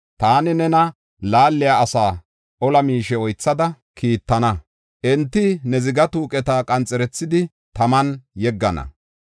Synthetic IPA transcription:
t̪aːnɪnɛnɐ | laːlːɪjaːsaː | ʔɔlɐmiːʃɛɔjt͡sːɐd̪ɐ | kiːt̪ːɐnɐ | ʔɛnt̪ːɪnɛzɪɡɐt̪uːkʼɛt̪aːkʼɐnt͡sʼɛɾɛt͡sːɪd̪ɪ | t̪ɐmɐnjɛɡːɐnɐ̰

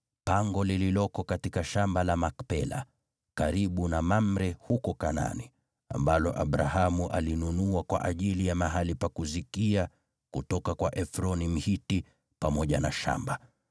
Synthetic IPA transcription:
paŋɡɔlililɔkɔkatikaʃambalamakpɛla̰ | kaɾiɓunamam̩ɾɛhukɔkana̰ni | a̰mbalɔʔa̰ɓɾaɦamuʔa̰linunuakwa̰ʔaʄilijamaɦalipakuzikia | kutɔkakwaʔɛfɾɔnim̩hiti | pamɔʄanaʃa̰mba

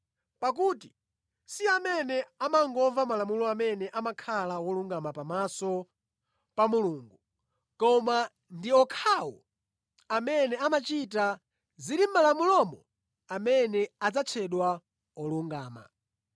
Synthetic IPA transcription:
pak̬uːti | siamɛnɛamaŋɡɔvamalamulɔamɛnɛʔamakʰalawɔluŋɡamapamasɔ | pamuluːŋɡu | kɔma | ndiɔkʰawɔ̰ | amɛnɛamat͡ʃita | ziɾim̩malamulɔmɔ | amɛnɛad͡zat͡sʰɛɗwa | ɔluŋɡaːma̰

